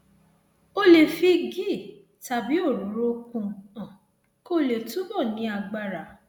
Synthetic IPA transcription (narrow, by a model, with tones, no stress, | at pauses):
o˧le˨fi˧ɡi˦˨ | ta˨˧bi˦o˦˨ɾu˨˦ɾo˦kũ˧ã˨ | ko˦le˨tu˨˦bɔ˦˨nĩ˧˦a˧ɡ͡ba˧ɾa˨˦